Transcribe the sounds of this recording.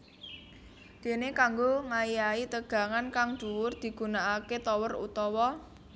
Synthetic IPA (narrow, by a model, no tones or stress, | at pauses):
d̪̥e̤nekaŋɡoŋajait̪əɡ̥a̤ŋankaŋd̪̥ṳwʊrd̪̥i̤ɡ̥ṳnaʔaket̪ɔwərṵt̪ɔwɔ